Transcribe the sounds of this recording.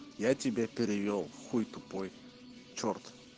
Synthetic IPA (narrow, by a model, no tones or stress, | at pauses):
jatʲɪbʲepʲɪɾʲɪvʲolˠxujt̪ʊpoj | t͡ʃort̪